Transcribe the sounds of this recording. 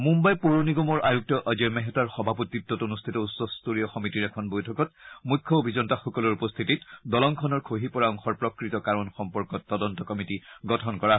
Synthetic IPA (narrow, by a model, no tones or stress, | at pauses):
mumbajpoɹoniɡomɔɹʔajuk̚tɔʔazɛɹmɛɦɛtwaɹxɔbʱaputːitːɔtonust̪ʰitɔusɔstuɹijɔxɔmitiɹɛkʰɔnbojtʰɔkɔt̚mujkʰːɔobʱizɔntaxɔkɔluɹupɔst̪ʰititdɔlɔŋkʰɔnɔɹkʰoɦipɔɹaɔŋxɔɹpɹɔkɹitɔkaɹɔnxɔmpɔɹkɔtːɔdɔntɔkɔmitiɡɔtʰɔnkɔɹa